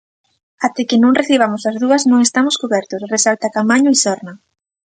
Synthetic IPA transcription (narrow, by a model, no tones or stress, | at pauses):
at̪ekɪnõŋreθiβ̞amʊsɐzðuɐznõŋest̪amʊskoβɛɾt̪ʊsresalt̪akamaɲʊisɔɾnɐ